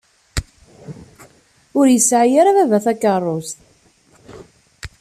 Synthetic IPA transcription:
ʊɾjəsːʕjaɾavævæθækːərˤːost̪

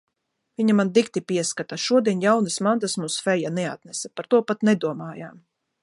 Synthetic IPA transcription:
vʲiɲamand̪ikt̪ipiɛskat̪aʃuɔd̪iɛnʲjawnɨsmant̪asmuːsfɛjanɛat̪nɛsapaɾt̪uɔpat̪nɛd̪uɔmaːjaːm

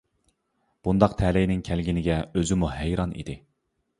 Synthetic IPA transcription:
b̥und̪ɑqt̪ʰɛlɛjnɪŋkʲʰælɡʲinɪɡʲɛøzɪmuɦæjɾɑnḭd̪ɪ

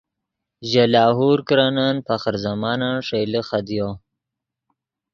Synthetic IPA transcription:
ʒalaːɦuɾkɾananpaxəɾzamɑnaʂelixad̪ijo

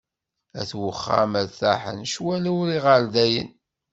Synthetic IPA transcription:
æ̰θwəχːa̰mæɾθæħə̰nʃwælæwɾiʁəɾd̪æjə̰n

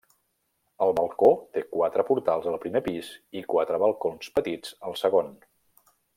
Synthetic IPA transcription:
əlˠβəlˠkot̪ekwat̪ɾəpuɾt̪alˠzəlˠpɾimepizikwat̪ɾəβəlˠkonspət̪id͡zəlˠsəɣon

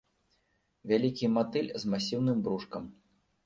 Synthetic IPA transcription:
vʲalʲikʲimat̪ɨlʲzmasʲiwnɨmbɾuʂkɐm

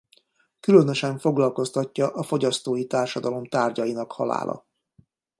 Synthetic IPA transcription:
kylønø̞ʃɛɱfo̞ɡlɒlko̞st̪ɒcːɒʔɒfo̞ɟɒst̪oːjit̪aːrʃɒd̪ɒlo̞mt̪aːrɟɒjinɒkhɒ̰la̰ːlʔɒ̰

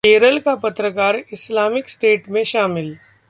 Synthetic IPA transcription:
eːɾəlkapət̪ɾəkaːɾɪslaːmɪksʈeːʈmẽʃaːmɪl

